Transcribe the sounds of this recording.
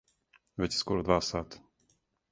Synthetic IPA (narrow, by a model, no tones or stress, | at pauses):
vɛcskoɾod̪vaːsaːt̪